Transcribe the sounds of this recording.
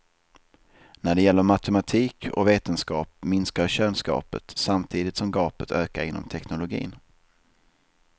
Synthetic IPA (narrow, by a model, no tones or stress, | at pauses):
næɖɛjɛlːəɾmat̪ɛmat̪ʰiːkʰɔ̰veːt̪ənskɑːpmɪnskaɾɕøːnskɑ̰ːpə̰t̪samt̪ʰiːd̪ɪt̪sɔmɡɑːpət̪ʰøːkaɾɪnːɔ̰mt̪ʰɛknʊlʊɡḭːn